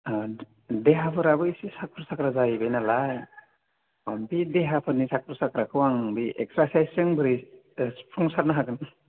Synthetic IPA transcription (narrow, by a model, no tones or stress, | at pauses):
deɦapʰɯɾabɯisisak̚pʰɯɾsakɾazajbejnalaj | ɔnbideɦapʰɯɾnisakpʰɯɾsakɾakʰɯwaŋbiʔḛk̚sɾasajsɯŋbɯɾi | spʰɾɔŋsaɾnaɦakɯn